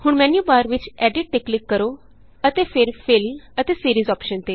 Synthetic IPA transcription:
hʊɳmɛːnjuːbaːɾʋɪt͡ʃɛːɖɪʈ̚ʈeklɪkːəɾoː | ət̪eːpʰɪɾpʰɪlət̪eːsiːɾiːzɔːpʃənt̪eː

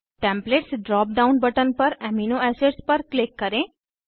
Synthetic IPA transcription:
ʈẽmpleʈsɖɾɔp̚ɖaunbəʈənpəɾɛminoɛseɖspəɾklɪkːəɾẽ

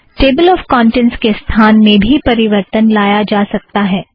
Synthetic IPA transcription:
ʈeːbəlɔːfkɔ̃ːɳʈɛ̃nskest̪ʰaːnmẽbʱipɐɾɪʋəɾt̪ənlaːjad͡ʒaːsɐk̚t̪aɦɛː

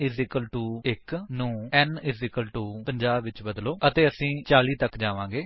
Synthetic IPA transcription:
ɪzɪkəlʈuːɪknũːɛːnɪzɪkəlʈuːpəɲd͡ʒaːbʋɪt͡ʃbəd̪loːət̪eːəsĩːt͡ʃaːliːt̪əkd͡ʒaːʋãːɡeː

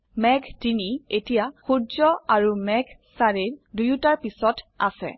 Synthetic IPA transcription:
mɛɡdinietijaxudzɔaɹumɛɡsaɹiɹdujutaɹpisɔta̰sɛ̰

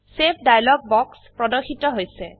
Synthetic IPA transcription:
sep̚ʰdajlɔɡ̚bɔkspɹɔdɔxitɔɦojsɛ

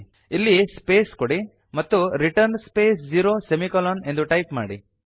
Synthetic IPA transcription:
ilːispeːskoɽi | mɐt̪ːuɾiʈɐɾnspeːsd͡ʒiːɾoːsemikɐlone̞nd̪uʈɐjpma̰ːɽḭ

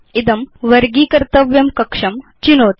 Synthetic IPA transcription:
id̪ɐmʋɐɾɡiːkɐɾt̪ɐʋjɐmkɐkʂɐmt͡ʃinoːt̪

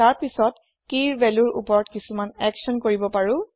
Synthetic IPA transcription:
taɹpisɔt | kiɹbɛlʊɹṵpɔɹɔtkisumanɛksɔnkoɹibɔpaɹʊ̃

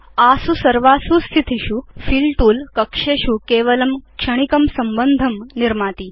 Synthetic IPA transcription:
asusɐɾʋasust̪ʰit̪ʰiɕufiːlʈuːlkɐkʂeɕukeːʋɐlɐmkʂɐɽ̃ikɐmsɐmbənd̪ʱɐmniɾmaːt̪iː

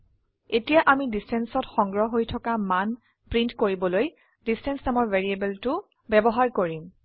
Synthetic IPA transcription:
etijaʔamidistʰɛnsɔtxɔŋɡɹɔɦojtʰɔkaman | pɹintkoɹibɔloj | distʰɛnsnamɔɹveɹiebɛltʊ | bɛbɔɦaɹkoɹim

